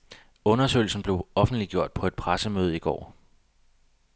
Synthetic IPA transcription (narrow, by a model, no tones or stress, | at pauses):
ɔ̽nɐsø̰ːɪl̩sn̩b̥le̝ʊɒ̽fn̩d̥liɡ̥jo̝ɐ̰d̥̚pʰɒ̽e̝d̥̚pʰʁasəmøːð̞̩ˠiɡ̥ɒ̰ː